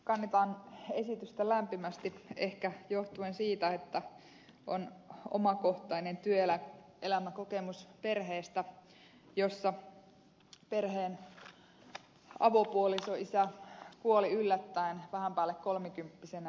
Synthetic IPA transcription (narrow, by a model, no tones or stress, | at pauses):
kɑnːet̪ɑːnesit̪yst̪ælæmpimæst̪iehkæjoht̪uensiːt̪æet̪ːæ | ʔo̰no̰mɑko̞ht̪ɑine̞nt̪yøelæʔelæmækokemuspe̞rɦeːst̪æ | josːɑ | pe̞rheːn | ɑ̰ʋopuolisoisækuoliylːæt̪ːæinʋæhæmpæːlːekkolmikympːisenæ